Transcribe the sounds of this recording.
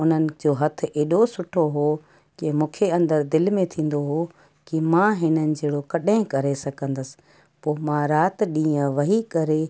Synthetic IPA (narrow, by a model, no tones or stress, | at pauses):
ʊn̤ənɪ̆d͡ʑoːɦɐt̪ʰɪ̆ʔeːɗosʊʈʰoɦo | kɪmũːkʰeɐ̃nd̪əɾd̪ɪlmẽt̪ʰĩːn̆d̪oɦo | kɪmãːɦɪnənɪ̆d͡ʑeːɽokɐɗɪ̃kɐɾesɐɡʱə̃nd̪əsɪ̥̆ | poːmãɾaːt̪ɗĩːə̃ʋɐɦikɐɾe